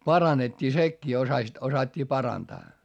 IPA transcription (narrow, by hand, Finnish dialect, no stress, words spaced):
pɑrɑnetʲːiː sekːiː osɑsit osɑtʲːiː pɑrɑntɑː